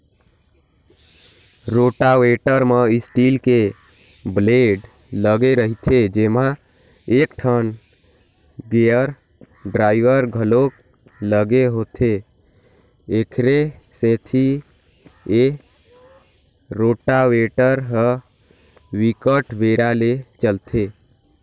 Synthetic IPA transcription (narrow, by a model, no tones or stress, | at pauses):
ɾoʈaweʈəɾmeisʈilke | bleɖ | ləɡeɾəɦit̪ʰed͡ʒema | ekʈʰən | ɡeəɾ | ɖɾaiʋəɾɡʱəlok | ləɡeɦoːt̪ʰe | ekʰɾe | set̪ʰi | e | ɾoːʈaweʈəɾɦə | wikəʈbeɾalet͡ʃəlt̪ʰe